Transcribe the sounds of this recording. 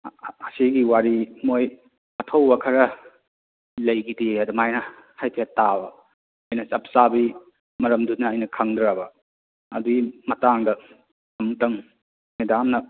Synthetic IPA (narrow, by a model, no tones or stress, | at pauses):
ɐsiɡiwaɾimoj | ɐtʰɐwbɐkʰɐɾɐ | lɐjɡidiɐdumajnɐ | hajtʰetːabɐ | ɐjnɐsɐp̚sabi | mɐɾɐmdunːɐːjnɐkʰaŋdɾɾabɐ | ɐ̰duɡimɐtaŋdɐ | ɐmtɐŋ | medamnɐ